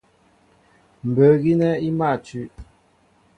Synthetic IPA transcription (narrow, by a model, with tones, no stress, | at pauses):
m̩˨bə˨˦ɣi˦nɛ˦i˦ma˦˨t͡ʃʉ˨˦ʔ